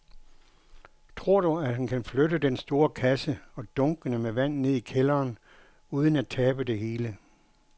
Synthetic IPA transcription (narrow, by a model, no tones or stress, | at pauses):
t͡sʰʁo̝ɐ̰ɾ̥uædhænkʰænfløɾəd̥ensd̥o̝ːɐkʰæsəɒ̽d̥ɔ̽ŋɡ̥ənəmeʋæn̰ne̝ð̰ˠikʰelɐːn | uːð̞ˠən̩æt͡sʰɛːb̥əd̥e̝ɦe̝ːlə